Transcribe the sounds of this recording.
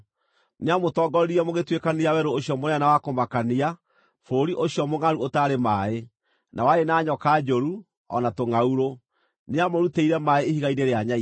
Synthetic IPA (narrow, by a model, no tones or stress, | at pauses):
neamotɔɡɔɾɾiɛmoɣetwekaniawɛɾooɕiɔmoɾɛɛnawakomakania | foɾiʔoɕjɔmoŋaɾuotaːɾemae | nʔawaenaːɲɔkaːd͡ʒoɾu | ɔ̰natoŋauɾo | neamoɾuteiɾɛmaeehiɣaineɾeaɲa